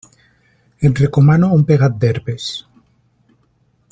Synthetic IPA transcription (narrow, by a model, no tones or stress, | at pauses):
enrekomanoumpeɣat̪̚d̪eɾpes